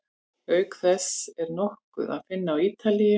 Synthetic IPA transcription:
œːɥkθɛsɛɾnɔhkʏ̰ða̰ðfɪnːaːwiːt̪alijʏ

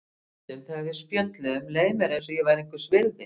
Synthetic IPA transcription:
ʏmθɛɣaɾvɪðspjœt̪lɛʏmleːjmɛɾɛns̬ɔjɛvajɾeŋkʏ̥svɪɾðɪ

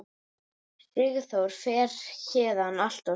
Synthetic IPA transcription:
ɪɣθowɾ̥fɛːɾ̥çɛːðanal̥t̪a

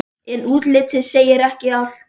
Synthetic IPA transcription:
ɛnuːt̪lɪːt̪ʰɪðseːjɪɾɛhcɪaf

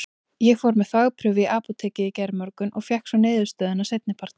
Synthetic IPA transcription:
jɛɣfɔɾmɛðθaɣpʰɾʏvɪʔaːpɔt̪ʰɛːcɪicɛɾmœɾkʏnʔɔɣfjɛhksvɔnɪːðʏ̥st̪œːðɪnasejt̪nɪpʰaɾ̥t̪n

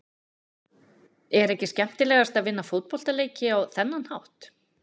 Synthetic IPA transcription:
ɛɾɛhcɪscɛm̥t̪ɪlɛːɣast̪aðvɪnːafot̪̚pɔl̥t̪aleːjcɪawθɛnːanhawht̪

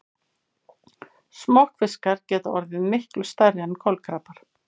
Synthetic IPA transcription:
smɔhkfɪskaɾ̥cɛːt̪aɔɾðɪnmɪhklʏst̪aɾjankʰɔlkʰɾaːpaɾ̥

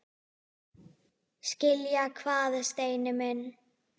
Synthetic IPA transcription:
scɪljakʰvaːðɪst̪eːjnɪmɪn

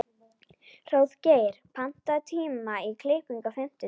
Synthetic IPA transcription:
r̥oːwðceːjɪɾ̥pʰan̥t̪aðt̪ʰiːmaikʰlɪːhpiŋkafɪm̥t̪ʏ

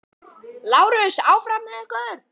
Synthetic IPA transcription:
laːwɾʏsaːwfɾamnaðɛhkœðɾ̥

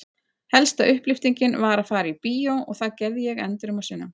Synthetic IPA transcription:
hɛlst̪aʏhplɪft̪iɲcɪnvaːɾaðfaːɾɪipiːjowɔɣθaðcɛɾðɪjɛɣɛ̰nt̪ɪɾʏmasɪnːʏm

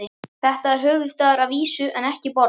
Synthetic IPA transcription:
ɪθɛht̪aɛɾ̥ɦœːvʏðst̪aːðaɾavviːsʏʔɛnɛhcɪpɔɾ

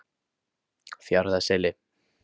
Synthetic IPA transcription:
θjaɾðasele

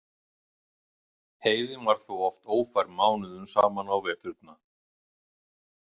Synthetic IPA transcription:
heːjðɪnvaɾ̥θuwɔft̪oːwfajɾmaːwnʏðʏmsa̰ːmanawvɛːt̪ʏɾt̪na

